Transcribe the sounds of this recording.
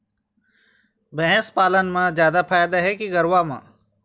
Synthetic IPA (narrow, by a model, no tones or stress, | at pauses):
bɛɦɛ̃spaːlənmãzjaːd̪afʰaːjd̪aɦɛkiɡəɾʋamã̰ː